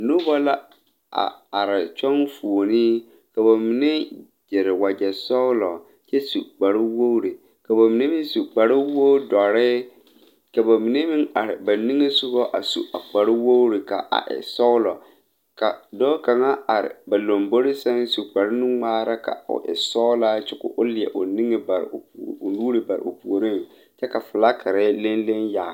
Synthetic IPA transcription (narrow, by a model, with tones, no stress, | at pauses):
nʊ˦bɔ˦la˦ | a̰˨a˨ɾɪ˨t͡ʃɔ˦nfu˨o˨nɪ˦ | ka˨ba˨mi˨ne˦ | d͡ʒɛ˨ɾɪ˨wa˨d͡ʒɛ˨sɔ˦ʊ˦lɔ˨ | t͡ʃɛ˦su˨k͡pa˨ɾɪ˦wo˦ɾi˨ | ka˨ba˨mi˨ne˦mi˦su˨k͡pa˨ɾɪ˦wo˦dɔ˨ɾɪ˦ | ka˨ba˨mi˨ne˦mi˦na˨ɾɪ˨ba˨ni˦ŋe˦sʊ˦ɣɔ˦ʔa̰˨sṵ˨ʔa˨k͡pa˨ɾɪ˦wo˦wɾi˨ka̰˨ʔa̰˨ʔɪ̰˨sɔ˦lɔ˨ | ka˨dɔː˦ka˨ŋa˦a˨ɾɪ̰˨ba˨lo˨mbo˦ɾɪ˦sɛ˦n˦su˨k͡pa˨ɾɪ˦nʊ˦ŋ͡maː˦ɾa˦ka̰˨ʊ̰˨ʔɪ̰˨sɔ˦la˦t͡ʃɪ˦kʊ̰˨ʔʊ˦lɪ˨ɛ̰˨ʔʊ˨ni˦ŋɪ˨ba˨ɾ̰nuː˦ɾɪ˨ba˨ɪ̰˨ʔʊ˨pu˨o˨ɾɪ˦n˨ | t͡ʃɛ˦ka˨fʊ˨la˦kʰa˨ɾɛ˦le˦nle˦nja˨